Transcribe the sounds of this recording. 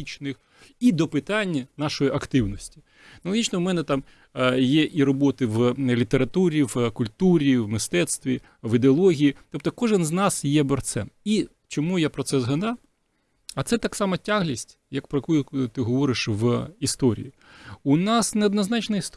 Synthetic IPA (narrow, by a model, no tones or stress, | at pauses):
it͡ʃnɪx | id̪ɔpɪt̪ɑnʲːɐnɑʃɔjiʔɐkt̪ɪwnɔsʲtʲi̥ | nɔlˠɔɦʲit͡ʃnɔʊmɛnɛt̪ɑm | jɛʔiɾɔbɔt̪ɪʋlʲit̪eɾɐt̪uɾʲiʋkʊlʲt̪uɾʲiʋmɪst̪ɛt̪st̪ʋʲi | ʋɪd̪eɔlˠɔɦʲijit̪ɔp̚t̪ɔkɔʒɪnznɑsjɛbɛrt̪sɛ̰ni | t͡ʃɔmujapɾɔt̪sɛzɦɐd̪ɑw | ɐt̪sɛt̪ɑksɑmɐtʲaɦlʲisʲtʲ | jɐkpɾɔjkujʊt̪ɪɦɔʋɔɾɪʃʋist̪ɔɾʲḭji | ʊnɑsneɔd̪nɐznɑt͡ʃnɐist̪